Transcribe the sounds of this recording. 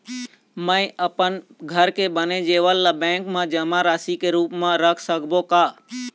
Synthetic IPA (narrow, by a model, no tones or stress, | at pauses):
mə̃ɪ̃ʔəpənɡʱəɾkebəned͡ʒeːʋəlːəbɛ̃ːŋkmãːd͡ʒəmãɾaːsikeɾuːpmãɾəkʰsəkʰbokaː